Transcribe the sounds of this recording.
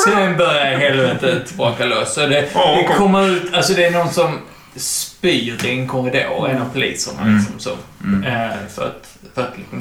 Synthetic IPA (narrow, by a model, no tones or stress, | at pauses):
sɔdɛnbœɾjaɦɛlvɛːt̪ət̪bɑːkalɔsɔd̪ɛd̪ɛkʰɔmːəɾʉ̟ːt̪ʰalsɔd̪ɛːnɔnsɔm | spyːt̪ɪnkʰɔɾɪd̪o̰ːɾɛ̰napʰʊlḭːt̪sə̰ma̰lɪksɔmso̰ | fœ̰ɾa̰t̪ | fœɾat̪lɪksɔm